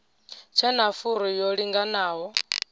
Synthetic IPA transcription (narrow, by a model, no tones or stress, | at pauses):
t͡ʃʰɛnafuɾɔjɔɺiŋɡanaːɦɔ